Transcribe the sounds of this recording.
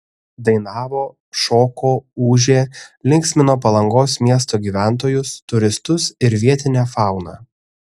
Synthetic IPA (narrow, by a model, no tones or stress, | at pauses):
d̪ɐɪnɑːʋoː | ʃoːkoːuːʒʲeːlʲɪŋʲksʲmʲɪnoːpɐlˠɐŋɡoːsmʲiɛst̪oːɡʲiːʋʲæˑnt̪̬oːjʊst̪ʊɾʲɪst̪ʊsɪɾʋʲiɛt̪ʲɪnʲæːfɑˑʊnɑ̰ː